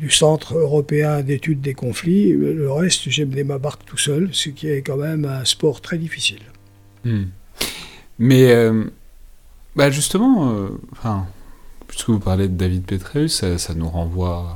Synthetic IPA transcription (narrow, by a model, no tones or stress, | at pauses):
d̪ysɑ̃t̪χøʁɔpeɛ̃d̪et̪yd̪ːekɔ̃fliləʁɛst̪ʒɛmənemabaʁkt̪u̥sœlsəkʲiɛkɑ̃mɛmɛ̃spɔʁt̪χɛd̪ifisil | m̩ | mɛøm | baʒyst̪əmɑ̃øɑ̃fɛ̃pɥi̥skəvupaʁled̪əd̪avid̪̚pet̪χɛysasanuʁɑ̃vwa